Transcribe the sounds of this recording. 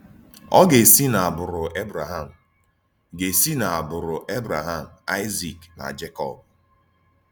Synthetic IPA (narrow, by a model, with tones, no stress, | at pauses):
ɔ˦ɡe˨si˦na˨a˨bʊ˨ɾʊ˨ʔe˦bɾa˨ɦa˦˨m̩˨ | ɡe˨si˦na˨a˨bʊ˨ɾʊ˨ʔe˦bɾa˨ɦa˦˨m̩˨a˦ɪ˦zi˨kna̰˨d͡ʒe˦kɔ̰˦˨b̚